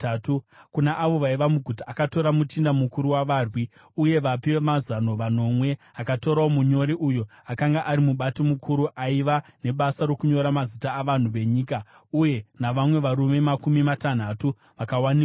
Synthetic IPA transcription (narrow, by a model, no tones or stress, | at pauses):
ukunaʔaʋo̞ʋaiʋamuɡʱutaʔakato̞ɾamutindamukuɾuwaʋaːrwi | uje̞ʋapiwemazano̞ʋano̞mwe̞ | akato̞ɾaomuɲo̞ɾiʔujo̞ | akaŋɡaʔaɾimuɓatomukʰuɾuʔaiʋane̞ɓasaɾo̞kuɲo̞ɾamazitaːʋan̤uʋe̞ɲiːka | uje̞naʋamwe̞ʋaɾume̞makumimatan̤atu | ʋakawanik